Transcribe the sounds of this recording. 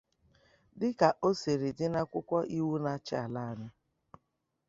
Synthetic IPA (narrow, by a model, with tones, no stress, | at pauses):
dɪ˦ka˨ʔo˦se˨ɾi˨dɪ˦na˦kʷʊ˦kʷɔ˦ʔi˦wu˦na˦t͡ʃɪ˦a˨la˦ɲʊ˦